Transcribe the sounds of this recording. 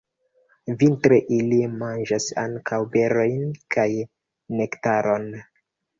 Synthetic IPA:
vintɾeʔilimand͡ʒasa̰ŋkʰawbeɾo̞jnkʰaj | nektaɾo̞n

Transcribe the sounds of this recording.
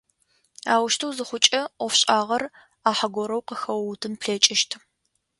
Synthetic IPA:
aːwʊʃtʰɐwzɨχʷʊt͡ʃʼɐʔʷɔfɕʼaːʁɐr | aːħɐɡʷɔɾɐwqəxɐwwtʰɨnpʰɬeːt͡ʃʼɪʃtʰ

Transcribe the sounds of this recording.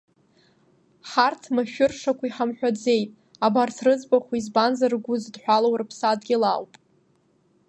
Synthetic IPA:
χartʰmaʃᶣʊrʂakʷʰaiħamħᶣʷad͡ze̞jtʼ | abartʰrɨd͡zbaχʷizbanzarɡʷʊzdħʷᶣalowrɨpʰsadɡʲɪlawpʼ

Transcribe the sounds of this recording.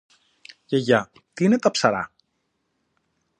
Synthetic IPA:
ceʝɐ | t̪iine̞t̪ɐpsɐɾɐ̰

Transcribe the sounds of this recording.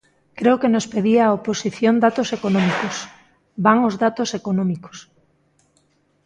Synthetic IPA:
kɾeʊkenospeðiaːoposiθjond̪at̪osekonɔ̃mikos | baŋozðat̪osekonɔ̃miko̥s

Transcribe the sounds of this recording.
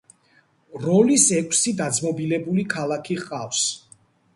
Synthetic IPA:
ɾɔlisɛkʷʼʰsid̪ad̪zmɔbilɛbulikʰalˠakʰiʁʼafs

